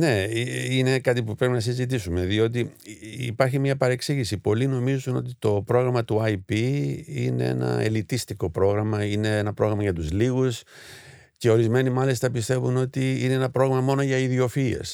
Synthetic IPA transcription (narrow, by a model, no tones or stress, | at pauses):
ne̞ine̞kɐt̪̬ipupɾe̞pinɐsizit̪isume̞ðio̞t̪̬iipɐɾçimɲɐpɐɾe̞ksiʝisipo̞lino̞mizuno̞̰t̪it̪o̞pɾo̞ɣɾɐmɐt̪uɐjpiḭne̞̰e̞̰nɐ̰e̞̰lit̪ist̪iko̞pɾo̞ɣɾɐmɐine̞enɐpɾo̞ɣɾɐmɐʝɐt̪uzliɣus | ce̞o̞ɾizme̞nimɐlist̪ɐpist̪e̞vuno̞t̪iine̞enɐpɾo̞ɣɐmɐmo̞no̞ʝɐiðio̞fie̞̰s